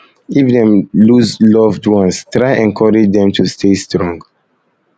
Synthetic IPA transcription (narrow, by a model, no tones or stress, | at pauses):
ifdɛ̃mluzlɔvdwɔ̃nstɹaɪʔɛ̃nkʰɔɹɛd͡ʒdɛ̃mtʰustʰestɹɔ̃ŋɡ